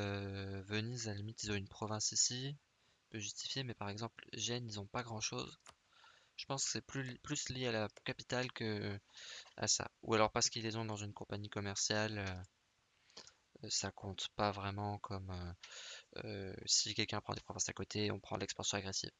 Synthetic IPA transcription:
øvənizalimit̪ilzɔ̃ynpχɔvɛ̃sisi | pøʒyst̪i̥fjemɛpaʁɛɡzɑ̃plʒɛnilzɔ̃paɡʁɑ̃ʃo̰z | ʒ̥ə̥pɑ̃skə̥sɛplyplysljealakapit̪alkə | a̰sa̰ṵalɔʁpaʁsə̥kilezɔ̃d̪ɑ̃zynkɔ̃paɲikɔmɛʁsjalø | øsakɔ̃t̪pavʁɛmɑ̃kʰɔmø | ø̰sikʲɛlkʲɛ̃pχɑ̃d̪epχɔvɛ̃sakot̪ʰeɔ̰̃pχɑ̰̃lɛkspɑ̃sjɔ̃aɡʁesḭv

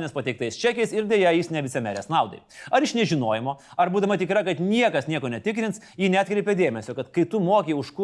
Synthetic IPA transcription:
nʲeːspɐt̪ʲɛɪk̚t̪ɐɪst͡ʃʲæːkʲɛɪsɪɾd̪ʲeɛjɛjɪsnʲɛʋʲɪt͡ssʲɛmʲæːɾʲɛsnɑˑʊd̪ɐ̰ɪɐɾɪʃnʲɛʒʲɪnoːjɛmoːɐɾbuːd̪ɐmɐt̪ʲɪkɾɐkɐt̪nʲiɛkɐsnʲiɛkoːnʲɛt̪ʲɪkɾʲɪnts | jiːnʲæːt̪kɾʲɛɪpʲed̪ʲeːmʲɛsʲoːkɐt̪kɐɪt̪ʊmoːkʲeɪʊʃkʊ

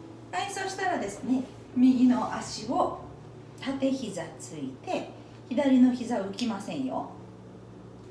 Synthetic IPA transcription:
eiso̞ɕi̥t̪aɾad̪e̞sɨne̞ | mʲiɡʲino̞ʔaɕio | t̪at̪e̞çizat͡sɨit̪e̞ | çid̪aɾʲino̞çizaɯ̟kʲimasẽ̞ɰ̃jo̰

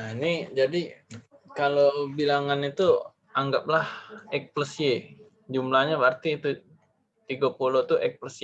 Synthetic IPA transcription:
nid͡ʒadi | kalobilaŋanit̪u | aŋɡap̚lahɛk̚pləsie | d͡ʒumlahɲabart̪iːt̪u | t̪iɡapulot̪uʔɛk̚pləs

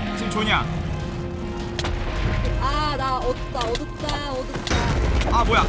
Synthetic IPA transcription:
t͡ɕʰint͡ɕoɲa | ad̪aɔd̪ɯt̪͈aɔd̪ɯt̪͈a | ɔd̪ɯt̪͈aaboja

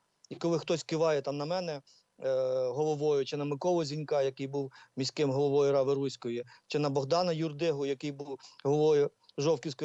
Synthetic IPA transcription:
ikɔlˠɪxt̪ɔsʲkɪʋɑjɛt̪ɑmnɐmɛnɛ | ɦɔlˠɔʋɔjʊt͡ʃɪnɐmɪkɔlˠɔzʲinʲkɑjɐkɪjbuwmʲisʲkɪmɦɔlˠɔʋɔjʊɾɑʋɪɾusʲkɔjɪt͡ʃɪnɐbɔɦd̪ɑnɐjurd̪ɪɦʊjɐkɪjbuwɦɔlˠʋɔjʊ | ʒɔwkʲiwsʲkɔ

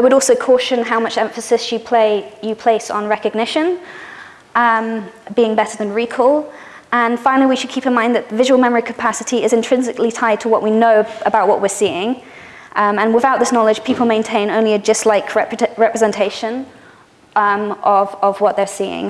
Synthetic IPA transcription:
aɪwəɾɔlˠsoʊkʰɔˑʃə̃nɦaʊmʌt͡ʃɛ̃ɱfəsɪsjɨpʰl̥eɪjɨpʰl̥eɪsn̩ɹɛkɨɡ̚nɪʃə̃n | ʔʌ̃mbiɪ̃ŋbɛɾə˞ðə̃nɹikʰəlˠ | ə̃nfãɪ̃nlˠiwiʃɨd̚kʰiˑpɨ̃nmãɪ̃nðəʔ̪̚ðəvɪʒəwlˠmɛmə˞i̥kʰə̥pʰasɪɾiɪzɨ̃ntʰɹ̥ɪ̃nzɨklitʰaɪd̚tʰəwɒʔwinoʊəbaʊʔ̚wʌ̰ʔwɪəsiɪ̃ŋ | ʔʌ̃mə̃nwɪðaʊt̪̚ðɪsnɒlɪ̥ʒ̥pʰiˑpl̩ˠmẽɪ̃ntʰẽɪ̃nõʊ̃nliɨd͡ʒʌstˡlaɪkʰɹɛɹɛpɹəzɛ̃ntʰeɪʃə̃n | ʌ̃mʔʌvəvwʌʔ̪̚ðə˞siɪ̰̃ŋ

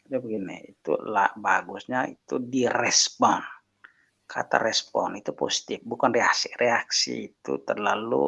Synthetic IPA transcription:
d͡ʒabəɡinḭit̪ṵla̰ʔbaɡusɲait̪udiɾɛspɔn | kʰa̰t̪a̰ɾɛspɔ̰nit̪upɔsi̥t̪ifbukanrɛasiʔrɛaksḭːt̪ṵt̪ərlalṵ

